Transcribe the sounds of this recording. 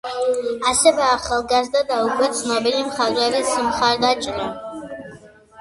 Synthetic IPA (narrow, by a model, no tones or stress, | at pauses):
asebaːχalɡazdadawɡʷʼɨt͡sʰʼnabilimχaʒʷʼarisɨmχardat͡ʃʼna